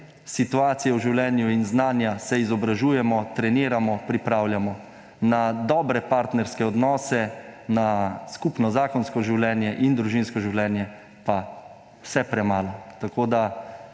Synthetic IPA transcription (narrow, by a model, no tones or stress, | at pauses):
sit̪uaːt̪sijɛwʒiwlʲɛːnjuinznaːnjasɛizɔbɾaʒuːjɛmɔt̪ɾɛniːɾamɔpɾipɾaːwlʲjamɔ | nad̪ɔːbɾɛpaɾt̪nɛɾskɛɔd̪nɔːsɛnaskupnɔzaːkɔnskɔʒiwlʲɛːnjɛʔind̪ɾuʒinskɔʒiwlʲɛːnjɛ | pa | w̥sɛpɾɛmaːlɔt̪akoːd̪a